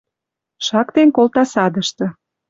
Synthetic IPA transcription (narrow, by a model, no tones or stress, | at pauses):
ʃɑkt̪enkolt̪ɑsɑd̪əʃt̪ɤ̆